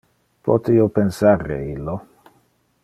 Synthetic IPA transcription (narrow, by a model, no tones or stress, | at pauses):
pɔt̪ejopensaɾḛilːo